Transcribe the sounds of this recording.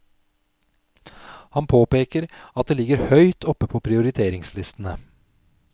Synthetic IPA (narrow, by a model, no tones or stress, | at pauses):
hɑnpʰoːpeːkəɾɑt̪̚d̪eːlɪɡəɾhœʏt̪ʰɔpːəpʰɔpʰɾɪʊɾɪt̪ʰeːɾɪŋslɪst̪ənə